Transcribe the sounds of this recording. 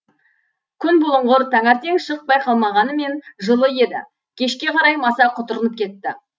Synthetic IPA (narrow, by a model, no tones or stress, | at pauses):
kʲʰʏnbʊlˠəɴʁəɾt̪ʰɑŋɑɾt̪e̞ŋʃəq̚bɑjqʰɑlˠmɑʁɑnəme̞nʒəlˠəje̞d̪ɪ̰ | kʲʰe̞ʃkʲe̞qʰɑɾɑjmɑsɑqʰʊt̪əɾənəp̚kʲʰe̞t̪ːɪ